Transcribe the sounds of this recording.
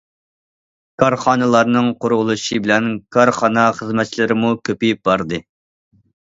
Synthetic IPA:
kʰɑɾχɑːnɨlˠɑɾnɨŋqʰʊɾʁʊlˠuʃibɪlɛnkʰɑɾχɑnɑχəzmɛt̪̚t͡ʃʰilɪɾɪmukʲʰøpejp̚bɑɾd̪ɨ

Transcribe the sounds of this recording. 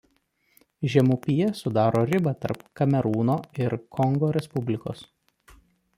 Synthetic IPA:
ʒʲɛmuːpʲijɛsʊd̪ɑːɾoːɾʲɪbɐt̪ɐ̰ɾpkɐmʲɛɾuːnoːɪɾkʰɔŋɡoːɾʲɛspʊbʲlʲɪko̰ːs

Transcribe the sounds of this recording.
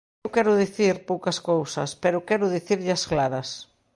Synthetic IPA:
wkɛɾʊðiθiɾpowkɐskowsɐ̰speɾʊkɛɾʊðiθiɾʎɐsklaɾɐs

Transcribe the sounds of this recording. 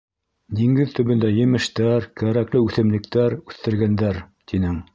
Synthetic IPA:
d̪iŋɡɘðt̪ɵ̆βɵ̆nd̪æjɘ̆mɘ̆ʃt̪æɾkæɾæklɘʉθɘ̆mlɘ̆kt̪æɾʉθt̪ɘ̆ɾɡænd̪æɾt̪inɘŋ

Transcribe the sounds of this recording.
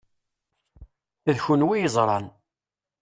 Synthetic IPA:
ðçunwijəzˤɾˤɑ̰n

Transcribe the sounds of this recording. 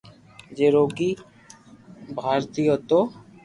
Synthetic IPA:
d͡ʒeːɾoːɡiː | bʱaːɾt̪ijot̪oː

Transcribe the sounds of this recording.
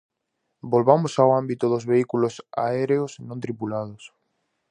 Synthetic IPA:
bolβamʊsawambit̪oðozβeikulosa̰eɾeosnõnt̪ɾipulað̞os

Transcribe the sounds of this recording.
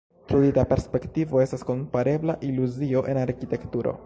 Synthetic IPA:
tɾulitape̞ɾspe̞ktivo̞e̞stasko̞mpaɾe̞blaʔiluzio̞ʔe̞naɾkite̞ktuɾo̞̰

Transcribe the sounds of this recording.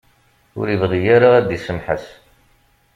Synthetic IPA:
ʊ̰ɾivʁijaɾaæd̪isəmħə̰s

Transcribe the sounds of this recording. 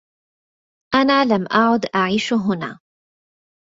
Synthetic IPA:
ʔanaːlamʔaʕʊd̪ʔaʕiːʃɦʊna̰ː

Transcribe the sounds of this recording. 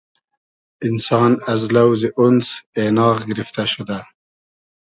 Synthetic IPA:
ɪnsɑːnazlawziʔʊnsenɑːqɡɪɾɪft̪aʃʊd̪a

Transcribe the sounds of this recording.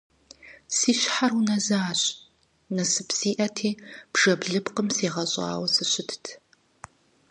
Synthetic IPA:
siːɕħarunɐzaaːɕʼ | nɐsɨpsiːʔɐtʰeːb̥ʐɐbɮɨpqəmseːʁɐɕʼɑ̰ːwɐsɨɕɪtʰtʰ

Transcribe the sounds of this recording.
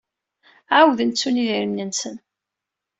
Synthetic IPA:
ʕawðənt͡sːuniðiɾəmnənsən

